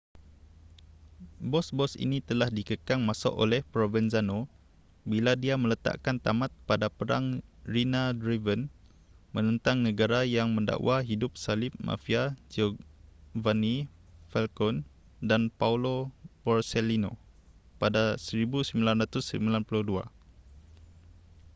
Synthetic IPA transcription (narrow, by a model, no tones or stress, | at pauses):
bɔsbɔsḭnit̪əlahdikəkaŋmasɔ̰ʔo̰lɛhpɾovɛnzano | biladiamə̃lət̪a̰ʔkant̪amãt̪̚padapəɾa̰ŋrinadɾivən | mə̃nə̃nt̪aŋnəɡaɾajaŋmə̃nda̰ʔwaɦidʊp̚salɪp̚mã̰fiad͡ʒo | vani | fɛlkɔn | danpaulobɔrsɛlino̰ | padasəɾibusəmilanrat̪ʊsəmilanpuluhdua̰